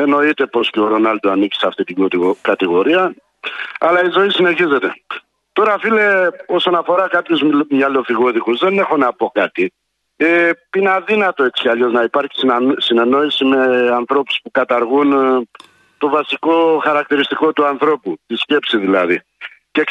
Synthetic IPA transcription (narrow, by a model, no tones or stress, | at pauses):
e̞no̞it̪e̞po̞sceoɾo̞nɐld̪uanici̥seɐft̪it̪ikɐt̪iɣo̞ɾiɐ | ɐlɐizo̞isine̞çize̞t̪e̞ | t̪o̞ɾɐfile̞o̞so̞nɐfo̞ɾɐkɐpçuzmɲɐlo̞fiɣo̞ðikuzðe̞ne̞xo̞nɐpo̞kɐt̪i | einɐðinɐt̪o̞et͡si̥cɐʎo̞znɐipɐɾçi̥ssine̞no̞isime̞ɐnθɾo̞pu̥spukɐt̪ɐɾɣun | t̪o̞vɐsiko̞xɐɾɐk̚t̪iɾist̪iko̞t̪uɐnθɾo̞put̪isce̞psiðilɐði | ce